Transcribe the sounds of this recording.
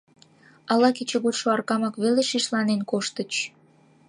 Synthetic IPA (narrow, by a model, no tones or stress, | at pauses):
ɑlɑket͡ɕeɣut̪ʃoɑrkɑmɑkβeleʃiʃlɑnenkoʃt̪ə̆t͡ɕ